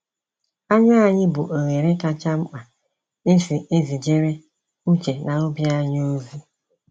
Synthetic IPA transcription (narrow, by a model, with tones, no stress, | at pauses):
a˦ɲa˦a˨ɲɪ˦bʊ˨ʔo˨ɣe˨ɾe˦ka˦t͡ʃa˦ŋ͡m̩˦k͡pa˨ | e˦si˨e˦zi˨d͡ʒe˦ɾe˦ | ŋ̩˦t͡ʃe˨na˨o˦bi˦a˦ɲ˦o˦zi˦